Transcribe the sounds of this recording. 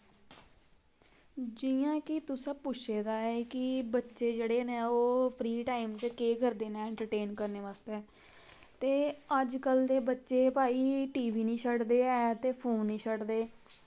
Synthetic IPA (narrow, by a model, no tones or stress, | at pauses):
d͡ʒɪjãːkɪt̪ʊsãːpʊʃʰeːd̪aːɛːkɪbətːʃeːd͡ʒeːɽeːnẽːoːpʰɾiːʈaːimt͡ʃəkeːkəɾd̪eːnaːɪ̃ɳʈəɾʈeːnkəɾneːʋaːst̪ɛː | t̪eːəd͡ʒkəld̪eːbətːʃeːpaːiːʈiːʋiːnĩːʃʰəɽd̪eːɛːt̪eːpʰoːnːĩːʃʰəɽd̪eː